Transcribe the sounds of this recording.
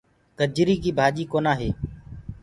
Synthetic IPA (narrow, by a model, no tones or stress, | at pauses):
kəd͡ʒɪɾiːkiːbʱaːʄiːkoːnaːɦeː